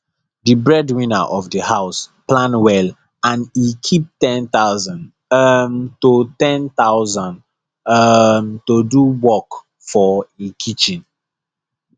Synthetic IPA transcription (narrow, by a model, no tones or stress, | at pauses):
dibɹɛdwĩnaʔɔfdəhaʊsplãnwɛl | ãnikʰip̚tɛ̃nt̪aʊzãn | mtotɛ̃nt̪aʊzãn | mtoduwɔk | fɔekʰit͡ʃĩn